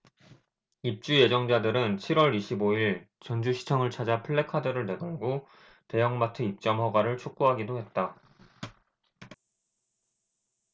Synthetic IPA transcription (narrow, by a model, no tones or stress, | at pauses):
ip̚t͡ɕ͈uje̞d͡ʑʌŋd͡ʑadɯɾɯnt͡ɕʰiɾwʌɾiɕʰiboiɭt͡ɕʌnd͡ʑuɕʰi̥t͡ɕʰʌŋɯɭt͡ɕʰad͡ʑapʰɯɭːe̞kʰadɯɾɯɭne̞ɡaɭɡo | te̞jʌŋmatʰɯip̚t͡ɕ͈ʌmɦʌɡwaɾɯɭt͡ɕʰok͈̚uɦaɡidoɦe̞t̚t͈a